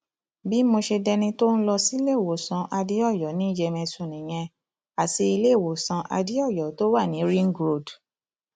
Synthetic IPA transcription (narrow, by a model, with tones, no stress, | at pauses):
bi˨˦mo˧ʃe˧dɛ˧nĩ˧to˦n̩˦lɔ˧si˦le˦˨wo˨sã˧ʔa˧di˦ɔ˦˨jɔ˨˦nĩ˨˦d͡ʒɛ˧mɛ̃˧sũ˨nĩ˨j̃ɛ̃˧ | a˨ti˧i˧le˦˨wo˨sã˧ʔa˧di˦ɔ˦˨jɔ˨˦to˦wa˦˨nĩ˨˦ɾi˦ŋ̩˦ɡɾo˦˨d